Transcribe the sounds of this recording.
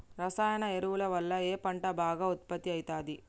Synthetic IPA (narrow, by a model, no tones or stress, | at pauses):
ɾɐsaːjɐnɐeɾuʋulɐʋɐlːɐeːpɐɳʈɐbʱaːɡaːut̪̚pɐt̪ːiɐjt̪aːd̪i